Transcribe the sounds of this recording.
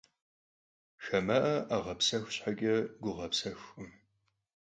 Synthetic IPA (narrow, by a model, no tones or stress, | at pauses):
ʃɐmɐʔɐʔaʁɐpsɐxʷɕħaɡʲʼɐɡʷʊʁɐpsɐxʷʼɨm